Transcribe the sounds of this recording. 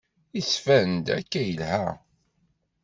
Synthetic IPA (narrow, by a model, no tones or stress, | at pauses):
isfænd̪ækːæjəlhæ